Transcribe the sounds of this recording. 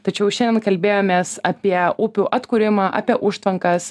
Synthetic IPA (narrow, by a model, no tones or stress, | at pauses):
t̪ɐt͡ʃʲɛʊʃʲɛnd̪ʲɛnkɐlʲbʲeːjoːmʲeːsɑːpʲiɛʊpʲuʔɐt̪kuːɾʲɪmɑːʔa̰ːpʲiɛʔʊʃt̪ʋɐŋkɐs